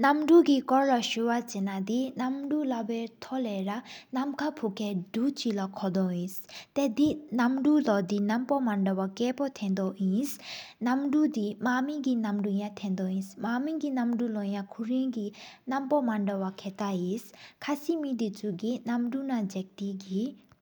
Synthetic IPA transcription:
namɖuɡikɔɾlɔʃuwat͡ʃɛnad̪inamɖulabɛt̪ʰɔlɛɾanamkʰapʰukʰɛɖut͡ʃilakʰɔd̪ɔ̃ĩst̪ɛd̪inamɖulɔd̪inampɔmaɳɖɔwakɛpɔt̪ʰɛ̃nd̪ɔʔĩsnamɖud̪imamiɡinamɖujãt̪ʰɛ̃nd̪ɔĩsmamiɡinamɖulɔjãkʰuɾĩɡinampɔmaɳɖɔwakʰɛt̪aiskʰasimid̪it͡suɡinamɖunad͡ʒɛk̚t̪iɡi

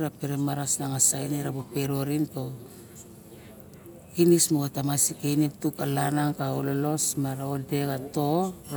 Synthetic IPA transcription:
ɾapeɾemaɾasnaŋasajneɾabope̞ɾo̞ɾinto | kinismoatamasikejnitukalanaŋkaololo̞smaɾaode̞ɡato

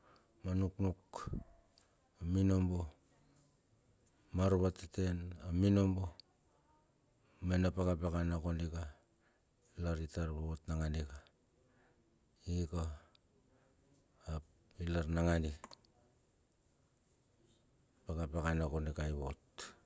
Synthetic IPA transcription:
manuknuk | aminombo | maɾβatete̞naminombo | menapakapekanakonika | laɾitaɾβaotnaŋanika | ika | ilaɾnaŋani | pakapekanakonikajβot

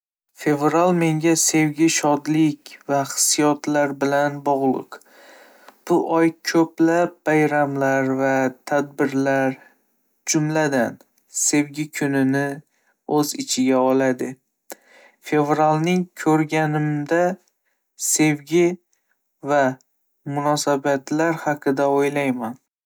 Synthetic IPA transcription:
fe̞vɾalˠme̞ŋɡʲase̞vɡʲɪʃɒd̪lɪkʲvaχɨ̥sijɒt̪laɾbɪlanbɒʁlˠɨ̰q | b̥ʊʔɒjkʲʰɵplap̚bajɾamlaɾvat̪ʰad̪̚bɪɾlaɾ | d͡ʒʊmlad̪an | se̞vɡʲɪkʲʰʊnɪnɪ | ɵzɪt͡ʃʰɪɡʲaɒlad̪ɪ | fe̞vɾalnɪŋkʲʰɵɾɡʲanɪmd̪a | se̞vɡʲɪ | va | mʊnɒsabat̪laɾhaqʰɨd̪aojlajman

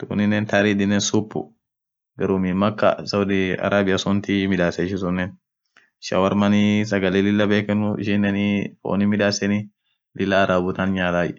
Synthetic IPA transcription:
t̪ṵːnɪnːɛnt̪ɐɾidɪnːeːnsʊpːʊ̰ | ɡɐɾumimɐkːɐ̰sɐwʊd̪ɪɐ̰ɾʔaːbɪjɐsɔnt̪imɪᶑaːsɛɪʃɪs̬ʊnːɛn | ʃɐ̰wɐɾmɐnis̬ɐɡɐlelɪlːɐbeːkɛnʊɪ̰ʃɪnːɛnifo̰ːnimɪᶑaːsɛni | lɪlːaːɾaːbʊt̪anɲaːt̪aːj

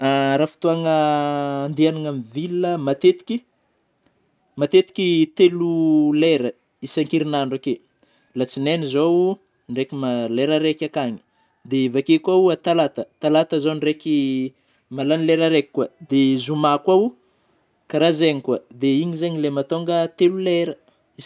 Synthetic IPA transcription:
aɾafi̥t̪uaŋəːnd̪ianaŋamivilːəmat̪et̪i̥kʲi | mat̪et̪i̥kʲit̪eluleɾə | isaŋkiɾinaɳɖ͡ʐake | lat͡sinenizow | ɳɖ͡ʐekimaleɾaɾekʲakaɲi̥ | d̪evakekwauat̪alat̪ət̪alat̪əzonreki | malanileɾaɾekʲi̥kːwad̪ezumakwau | kaɾazeɲikwad̪eiɲizeɲilemat̪oŋɡət̪eluleɾə | i

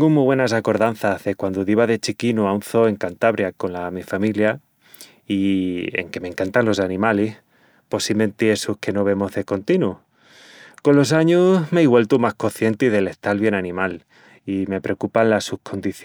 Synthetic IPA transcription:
ŋɡumːiβwe̞nas̬ako̞ɾðan̟θahðe̞kwand̪oðiβaðe̞t͡ʃikinuaunθo̞e̞ŋkant̪aβɾjako̞nlamifamilja | iḛŋke̞mẽ̞ŋkant̪anlo̞sanĩmalih | po̞simẽ̞nt̪iesuhke̞no̞β̞e̞mo̞ɦðe̞ko̞nt̪inu | ko̞nlo̞s̬aɲumeiɣwe̞lt̪umahko̞θje̞nt̪iðe̞le̞ht̪alβje̞nanĩmal | ime̞pɾe̞okupanlasuhkʰo̞nd̪iθ

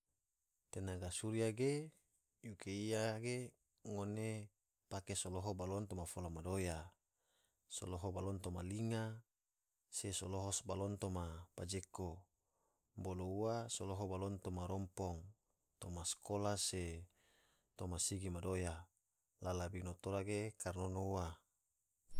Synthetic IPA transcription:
t̪enaɡasuɾiaɡe | jukeiaɡe | ŋone | pakesoloɦobalɔnt̪omafolamadoja | so̰loɦobalɔnt̪omaliŋa | sesoloɦɔsbalɔnt̪omapad͡ʒeko | bolouasoloɦobalɔnt̪omaɾɔmpɔŋ | t̪omaskʰolase | t̪omasiɡimadoja | lalabinot̪oɾaɡekarnonouwa

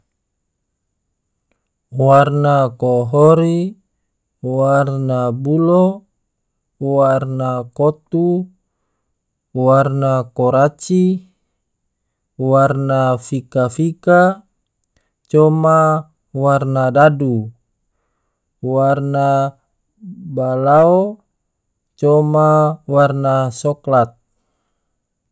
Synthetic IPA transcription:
warnakoɦɔɾi | warnabulo | warnakot̪u | warnakɔɾat͡ʃi | warnafikafika | t͡ʃɔma | warnadadu | warna | balao | t͡ʃɔmawarnasɔklat̪̚

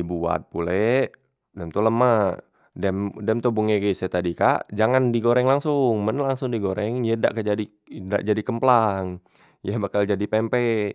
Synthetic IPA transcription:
ibua̰t̪̚pulɛ | dɛmt̪uləma | dɛmdɛmt̪ubuŋeɡɛsɛt̪adikaʔd͡ʒaŋandiɡoɾɛŋlaŋsʊŋmənlaŋsʊŋdiɡoɾɛŋjəda̰ʔkad͡ʒadi | da̰ʔd͡ʒadikəmplaŋ | jəbakald͡ʒadipɛmpɛ

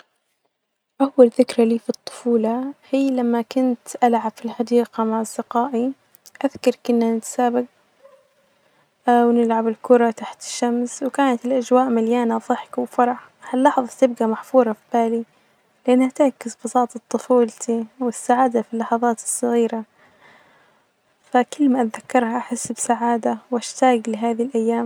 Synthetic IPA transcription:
ʔawːalθɪkɾaliːfit̪ˤːʊ̥fuːlɑhiːlamːakʊnt̪ʔalʕab̥filħɑd̪iːqamaʕazɪqaːʔi | ʔaðkɑɾˤkɪnːanɪt̪ḁsaːbɪɡ̚ | wnɪlʕabɪlkʊɾˤɑt̪aħt̪ɪ̥ʃːamswkaːnat̪ɪlʔad͡ʒwaːʔmaljaːnaðˤɨħkawfɑɾˤɑħ | halːɑħðˤɑt̪ɪb̚ɡamaħfuːɾˤɑfib̥aːli | lɪʔanːhat̪ɪʕkɪsbɑsˤɑːt̪ˤɑt̪ˤːʊfuːlt̪ʰiwɪsːaʕaːd̪afilːɑħɑðˤɑːt̪ɨ̥sˤːɑɣiːɾa | fakɪlːmaʔat̪ðakːɑɾˤhaʔaħɪsːbsaʕaːd̪awʔaʃt̪aːɡlɪɦaːðilʔajːaːm

